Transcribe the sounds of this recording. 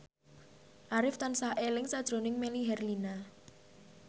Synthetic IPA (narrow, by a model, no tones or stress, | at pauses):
ʔaɾɪft̪ansahʔelɪŋsad̥ʒ̥ɾonɪŋmeliɦɛrlina